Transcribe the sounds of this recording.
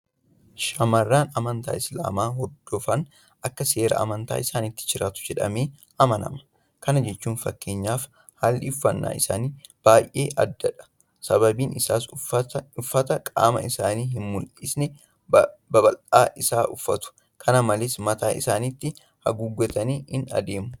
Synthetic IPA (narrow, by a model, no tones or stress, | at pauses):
ʃɐmɐrːaːnɐmɐnt̪a̰ːɪsla̰ːmaːhɔd̪ːɔfɐn | ʔɐkːɐse̞ːɾɐ̰ɐ̰mɐnt̪a̰ːɪsaːnit̪ːɪ̥t͡ʃɪɾaːt̪ʊ̥d͡ʒɛᶑɐ̰meː | ɐmɐnɐ̰mɐ̥ | kɐnɐd͡ʒɛt͡ʃːuːnfɐkːe̞ːɲːaːf | halːɪʊfːɐnːa̰ːɪsa̰ːniːb̥aːjʔe̞ːʔɐd̪ːɐᶑɐ̥ | sɐbɐbiːnʔɪsaːs | ʊfːɐt̪ɐkʼa̰ːmɐ̰ɪsaːniːɦɪnmʊlʔɪsnɛ | bɐbɐlaːʔɪsaːʔʊfːɐt̪ʊ̥ | kʰɐnɐmɐlɪsmɐt̪aːʔɪsaːnɪt̪ːɪ | hɐ̰ɡʊɡːɔt̪ɐniːɪnɐ̰d̪e̞ːmʊ